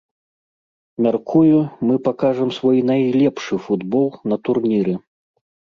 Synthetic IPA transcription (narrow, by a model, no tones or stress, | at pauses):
mʲarkʰujumɨpakaʐɐmsvɔjnajlʲɛpʂɨfud̪bɔlˠnɐt̪urnʲiɾɨ